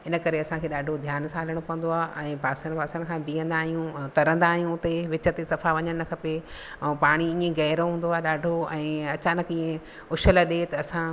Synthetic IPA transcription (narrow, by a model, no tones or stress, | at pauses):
ɪnə̆kɐɾeɐsãkʰeːɗaːɖʱod̪ʱjaːnsaːləɽ̃pɐʋə̃nd̪oaːʔɛ̃ːpaːsəɽ̃paːsəɽ̃̆kʰãːbiːə̃nd̪aːɦijũt̪ɐɾə̃nd̪aːɦijũʊt̪eʋɪt͡ɕət̪esɐfaʋɐɲəɽ̃nɐkʰɐpẽː | paːɽ̃iĩːẽɣɐːɾõɦũːnd̪oaːɦeɗaːɖʱoɛ̃ːɐt͡ɕaːnəkĩːẽ | ʊʃələɗet̪ɐɐsã